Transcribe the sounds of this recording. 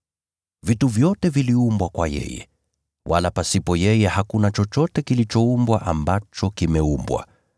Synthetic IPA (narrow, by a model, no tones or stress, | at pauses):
vituvjɔtɛviliumbwakwa̰jɛ̰jɛ̰ | wa̰lapasipɔjɛjɛhakunat͡ʃɔt͡ʃɔtɛkilit͡ʃɔumbwaʔambat͡ʃɔkimɛumbwa̰